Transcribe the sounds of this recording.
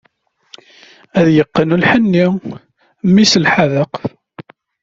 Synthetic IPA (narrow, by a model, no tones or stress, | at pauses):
æðjəqːənulħənːi | mːisəlħaðəq